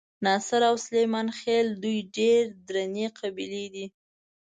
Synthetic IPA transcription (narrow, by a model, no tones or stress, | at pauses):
nɑsɪɾawslejmɑnxeld̪ujɖeɾd̪ɾaneqʰabiled̪i